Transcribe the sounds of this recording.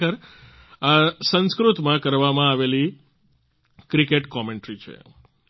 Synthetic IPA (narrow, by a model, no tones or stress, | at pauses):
əɾ | asə̃nskɾut̪mãkəɾʋamãaʋeli | kɾikeʈkɔmeɳʈɾit͡ʃʰḛ